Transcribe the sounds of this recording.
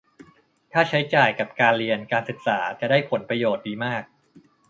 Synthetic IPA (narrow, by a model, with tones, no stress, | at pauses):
t̪ʰaː˥˩t͡ɕʰa˦˥jt͡ɕaː˨˩jka˨˩p̚kaː˧nɾi˧ənkaː˧nsɯ˨˩k̚saː˩˦t͡ɕa˨˩daː˥˩jpʰo˩˦npɾa˧joː˨˩t̪̚diː˧maː˥˩k̚